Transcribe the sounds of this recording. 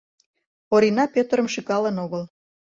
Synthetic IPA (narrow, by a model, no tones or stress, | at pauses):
oɾinɑpʲøt̪əɾəmʃikɑlənoɣəl